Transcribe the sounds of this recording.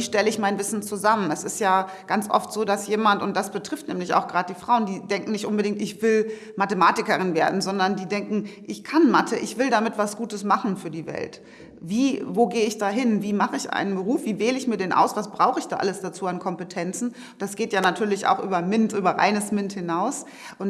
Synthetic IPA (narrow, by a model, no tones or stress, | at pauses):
viːʃtɛləɪçmaɪnvɪsn̩t͡suzamənɛsɪstjaː | ɡ̥ant͡sʔɔ̰ftz̥oːdasjeːmantʊnt̚d̥asb̥ətʁ̥ɪftnɛ̰ːmlɪça̰ʊxɡ̥ʁaːd̚d̥iːfʁ̥aʊəndiːdɛŋkŋ̩nɪçtʔʊnbədɪŋtɪçv̥ɪl | matəmaːtɪkɐʁɪnveːɐdn̩zɔndɐndiːdɛŋkŋ̩ʔɪçkʰanmatʰəʔɪçv̥ɪldamɪtv̥asɡ̥uːtəsmaχn̩fyːɐdiːvɛ̰lt | viːvoːɡeːəɪçd̥aːɦɪnviːmaχəɪçʔa̰ɪnənbəʁuːfv̥iːveːləɪçmiːɐdeːnʔa̰ʊsv̥asb̥ʁaʊxəɪçd̥a̰ːʔaləsd̥at͡suːankʰɔmpətʰɛnt͡sn̩ | d̥asɡ̥eːtjaːnatʰyːɐlɪça̰ʊxʔyːbɐmɪntʔyːbɐʁa̰ɪnəsmɪnthɪnaʊs | ʔʊn